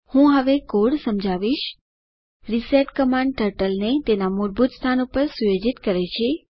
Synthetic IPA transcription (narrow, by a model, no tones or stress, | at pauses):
hũɦəʋekoɽsəmd͡ʒʱaʋiʃ | ɾiseʈkəmãɳɖ̚ʈəɾʈəlnet̪enamoɾbʱut̪st̪ʰanopəɾsujod͡ʒit̪kəɾet͡ʃʰe